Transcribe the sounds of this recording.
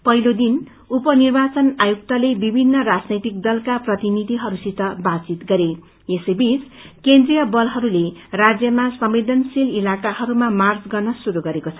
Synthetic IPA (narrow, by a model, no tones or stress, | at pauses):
pʌɦilod̪in | upʌnirbat͡sʌnajuk̚t̪alebibʱinːʌrad͡znʌjt̪ik̚d̪ʌlkaprʌt̪inid̪ʱiɦʌɾusit̪ʌbat͡sit̪ɡʌɾe | esʌjbit͡s | kend̪rijʌbʌlɦʌɾulerad͡zjʌmasʌmed̪ʱʌnsililakahʌɾumamard͡zɡʌrnʌsuɾuɡʌɾekot͡sʰʌ